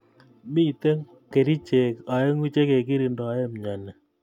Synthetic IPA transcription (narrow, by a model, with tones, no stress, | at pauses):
mi˦˨te˦ŋ | ke˨ɾi˦t͡ʃe˨ka˨je˦ŋwi˦t͡ʃe˦ke˨ki˦ɾi˨ndɔ˨a˨˦je˦m˨ɲa˨nɛ˨